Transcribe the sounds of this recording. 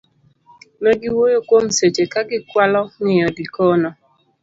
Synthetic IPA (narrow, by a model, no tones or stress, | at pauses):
noɡiwojokʷom̩set͡ʃekaɡɪkʷalɔnɪjɔdikɔnɔ